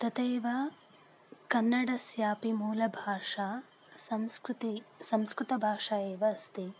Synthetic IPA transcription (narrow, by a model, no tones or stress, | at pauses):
t̪ɐt̪eːʋɐ | kɐnːɐɽɐsjaːpimuːlɐbʱaːʂaː | sɐmskɾt̪isɐmskɾɪt̪ɐbʱaːʂaeːʋɐːst̪i